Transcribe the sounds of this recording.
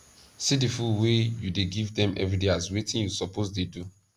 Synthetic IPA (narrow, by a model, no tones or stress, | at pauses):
sidifulwejudeɡivdɛ̃mʔɛ̰vɹideazwetĩnjusɔposdedu